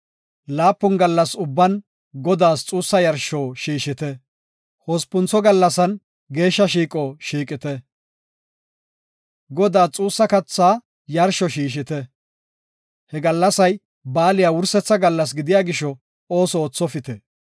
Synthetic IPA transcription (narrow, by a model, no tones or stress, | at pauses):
laːpːʊnɡɐlːɐsʊbːɐn | ɡɔd̪aːst͡sʼuːsːɐjɐɾʃɔːʃiːʃɪt̪ɛ | hɔspʊnt͡sɔɡɐlːɐsɐn | ɡe̞ːʃːɐʃ̬iːkʼɔːʃiːkʼɪt̪ɛ | ɡɔd̪aːt͡sʼuːsːɐkɐt͡sːaː | jɐɾʃɔʃiːʃɪt̪ɛ | hɛɡɐlːɐsɐj | baːlɪjawʊɾsɛt͡sːɐɡɐlːɐs̬ɡɪd̪ɪjaːɡɪʃɔ | oːsɔoːt͡sːɔfɪt̪ɛ